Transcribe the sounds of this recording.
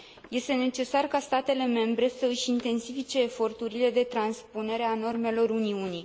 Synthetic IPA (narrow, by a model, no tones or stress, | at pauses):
je̞st̪e̞ne̞t͡ʃe̞sarkast̪at̪e̞le̞me̞mbɾe̞səɨʃint̪e̞nsifit͡ʃe̞ːfo̞rt̪uɾile̞d̪e̞t̪ɾanspune̞ɾe̞ano̞rme̞lo̞ɾuniuni